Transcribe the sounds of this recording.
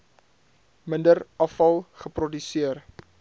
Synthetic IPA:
məndərɐfɐlˠχəprɔdysiər

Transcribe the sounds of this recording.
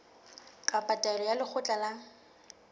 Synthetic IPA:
kʼapʼatʼaɛlɔjalɪk͡xʰʊt͡ɬʼala

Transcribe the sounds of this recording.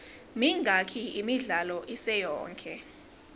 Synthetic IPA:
miŋʱakʰiimiɮalɔʔisɛjɔ̰ːŋkʰʼɛ

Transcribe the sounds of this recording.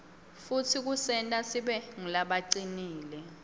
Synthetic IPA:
futʰik̬usɛntʼasiɓɛŋilaɓaǀiniːlɛ

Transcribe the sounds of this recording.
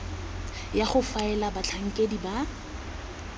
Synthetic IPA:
jaχʊfaɛlabat͡ɬʰaŋ̩kʼediba

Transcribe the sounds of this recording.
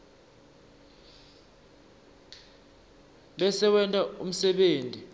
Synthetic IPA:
ɓɛsɛɓɛntʼaum̩sɛɓeːntʼi

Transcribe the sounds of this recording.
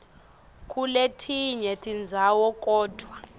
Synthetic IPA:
kʼuletʰiɲɛtʰind͡zʱawɔkʼɔːd̥ʱwa

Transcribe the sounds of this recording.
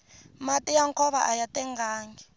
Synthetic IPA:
matʼijaŋkʰɔβa̰ʔajatʼɛŋɡʱaːŋɡɛ

